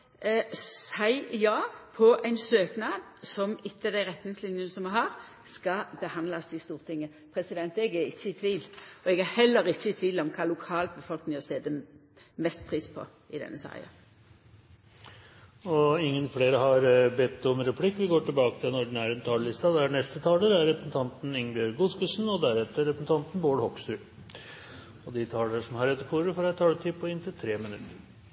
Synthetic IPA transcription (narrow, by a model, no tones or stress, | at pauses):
sæɪjɑːpʰɔʔæɪnsøːknɑd̪ | sɔmɪt̪ːəd̪æɪʁɛt̪nɪŋslɪnjənəsɔmɛɦɑʁ | skɑbəhɑnlɑsɪst̪uːʁt̪ʰɪŋːə | pʰʁɛsɪd̪ɛnt̪ɛɡæɾɪçːəɪt̪ʰʋiːlɔɛɡhɑhɛlːəɾɪçːət̪ʰʋiːlɔmkʰɑːlʊkʰɑːlbəfɔlknɪŋɔst̪eːd̪ə | mɛst̪̚pʰʁiːspʰɔ̰ | ɪd̪ɛ̰nːəsɑ̰ɪ̰ɑ̰ | ɔɪŋːənfleːɾəɦɑɾbɛt̪ːɔmɾɛpʰlɪkːʋɪɡoːʈɪlbɑːkə̥t̪ʰɪlɛnɔɖn̩æɾɛnt̪ʰɑːləɭɪst̪ɑd̪ɛæɳɛst̪ət̪ʰɑːləɾæɾːɛpɾəsn̩t̪ʰɑnt̪nɪŋbjøːɾɡuskʉsnɔd̪æɾɛt̪ːəɾɛpɾəsn̩t̪ʰɑnt̪nboːɽhɔkst̪ʉː | ɔd̪ɪt̪ʰɑːləɾəʂɔmhɑɾɛt̪ːəɾfʰuːɾəfɔɾæt̪ʰːɑːlət̪ʰːɪpʰɔɪnt̪ʰɪlt̪ʰɾeːmɪnʉt̪ːəɾ